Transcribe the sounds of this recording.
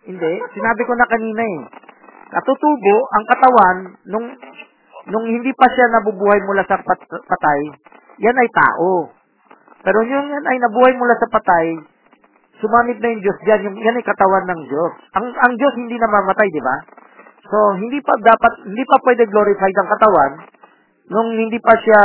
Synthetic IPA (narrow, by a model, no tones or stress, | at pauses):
hɪnd̪ɛsɪnaːbɪkonɐkɐniːnɐɛ | nʔɐt̪ut̪uːboʔʔɐŋkɐt̪ɐwanːʊŋː | ʊŋhɪnd̪iːpɐʃanɐbubuːhɐjmʊlasɐpɐpɐt̪aj | janɐjt̪a̰ːʔo̞ | pɛːɾoɲʊŋjanɐjnɐbuːhɐjmʊlasɐpɐt̪aj | sʊmaːmɪp̚nɐjʊŋd͡ʒo̞sd͡ʒanjʊŋjanɐjkɐt̪ɐwanːɐŋd͡ʒo̞sʔɐŋɐŋd͡ʒo̞shɪnd̪inɐmaːmɐt̪ajd̪ɪba̰ | so̞ɦɪnd̪ipɐd̪aːpɐt̪̚hɪnd̪iːpɐpwɛd̪ɛɡlo̞ɾɪfajd̪ɐŋkɐt̪ɐwanː | ʊŋhɪnd̪ipɐʃa